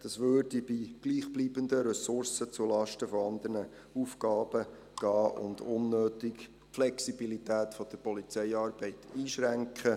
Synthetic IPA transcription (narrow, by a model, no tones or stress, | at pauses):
d̥ɑsʋøːrd̥ibiɡ̥liːχb̥liːbənd̪əɾɛsʊɾsət͡sulɑʃtəfoɑnd̪əɾnə | uːfkɑːb̥ə | ɡ̥ɑːʔʊ̰nd̪ʊnːøːt̪ɪk | flɛksib̥ilit̪æːt̪fɔd̪̥əɾpɔlit͡sɛɪɑːɾb̥ɛɪt̪iːʃɾæŋkχə